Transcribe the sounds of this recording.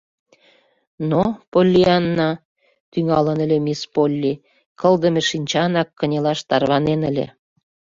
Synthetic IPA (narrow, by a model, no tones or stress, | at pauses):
nopolʲːiɑnːɑ | t̪yŋɑlənə̆lʲemispolʲːi | kʰə̆ld̪ə̆mĕʃinʲt͡ɕɑnɑkːə̆nʲelɑʃt̪ɑrβɑnenəlʲḛ